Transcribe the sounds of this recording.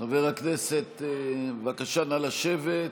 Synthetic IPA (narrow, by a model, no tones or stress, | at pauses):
noveʁakneset̪vakaʃanalaʃevet̪